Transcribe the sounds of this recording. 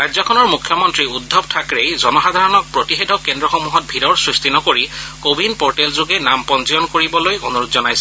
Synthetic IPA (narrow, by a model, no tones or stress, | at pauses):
ɹajzɔkʰɔnɔɹmukʰjɔmɔntɹiudʱːɔbtʰakɹejzɔnɔxad̪ʱaɹɔnɔk̚pɹotixedʰʱɔkːendɹɔxɔmuɦɔt̚bʱiɾɔɹsɹistinɔkoɹikobinpɔɹʈɛlzuɡɛnampɔnsijɔnkoɹibɔlojonuɹutzɔnajsɛ